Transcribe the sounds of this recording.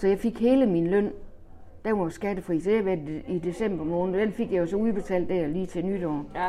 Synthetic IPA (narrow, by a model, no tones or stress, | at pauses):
sɒ̽jɑ̈ɪfe̝ɡ̥he̝ːləminlœn̰ | d̥æɐʋɑsɡ̥æd̥əfʁḭːsɒ̥eʋæɐid̥e̝sem̰b̥ɐmɔ̽ːnð̩ˠɒd̥enfe̝ɡ̥jɑjosɒ̽uðˠb̥e̝t͡sʰɛ̰ːld̥ːæɐ̰liːt͡sʰe̝nyd̥ɒː